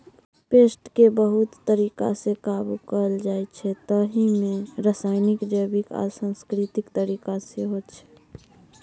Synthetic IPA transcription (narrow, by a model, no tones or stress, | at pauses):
peːsʈkebəɦut̪ːəɾiːka̰sekabukəəld͡ʒajt͡ʃʰɛt̪əɦimẽɾəsaɪnɪkd͡ʒəjbika̰ɾsə̃nskɾit̪ɪkt̪əɾikaseɦott͡ʃʰɛ̥